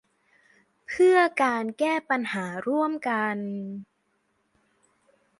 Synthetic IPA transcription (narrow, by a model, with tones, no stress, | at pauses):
pʰɯ˥˩əkaː˧nkɛː˥˩pa˧nhaː˩˦ɾu˥˩əmka˧n